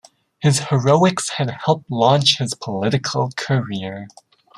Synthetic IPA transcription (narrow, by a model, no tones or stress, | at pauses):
hɨz̥həɹoʊɪkshɨd̚hɛlˠp̚tˡlɑ̃nt͡ʃhɨz̥pʰəlɪɾɨkʰəl̩ˠkʰəɹiəɹ